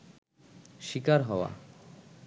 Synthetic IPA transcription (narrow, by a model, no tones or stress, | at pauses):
ʃikaɾɦɔoa̰